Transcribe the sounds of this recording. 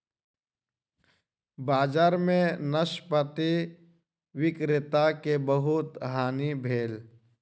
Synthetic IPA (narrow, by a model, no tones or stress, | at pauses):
baːd͡ʒaːɾmẽnəʃpət̪i | ʋɪkɾɪt̪akebəɦʊt̪ɦaːnibʱeːl